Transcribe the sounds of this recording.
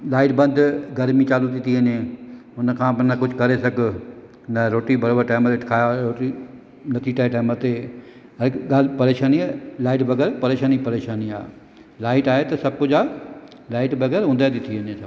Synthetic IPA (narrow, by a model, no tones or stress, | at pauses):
laːɪʈbɐ̃nd̪ɡɐɾmit͡ɕaːlud̪ɪt̪ʰiɦənẽʊnkʰãːpɐnɐkʊd͡ʑʱkɐɾesɐɡʱ | nɐɾoːʈibɐɾoːbəɾʈaːmət̪eʈkʰaːjaɾoːʈi | nɐt̪ʰiʈaːʈaːmət̪e | ɐɾɡaːlpɐɾeːʃaːnialaːɪʈʋɐɡɛːɾpɐɾeːʃaːnipɐɾeːʃaːnia̰ː | laːɪʈaːɦet̪ɐsɐb̚kʊd͡ʑaː | laːɪʈʋɐɡɛːɾɦʊ̃nd̪ad̪ɪt̪ʰiənẽsɐb